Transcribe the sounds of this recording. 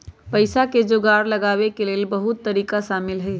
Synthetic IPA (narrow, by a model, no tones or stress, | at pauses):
pəɪsaked͡ʒoɡaɾləɡaβekelelbəɦut̪ːəɾiːkaʃaːmɪlɦə